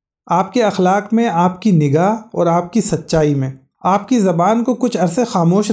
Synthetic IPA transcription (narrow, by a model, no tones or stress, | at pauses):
aːp̚keɐxlaːkmẽaːpkinɪɡaːɦɔːɾaːp̚kisɐtːʃaːimẽː | aːp̚kizɐbaːnkokʊt͡ʃʰɐɾsexaːmoːʃ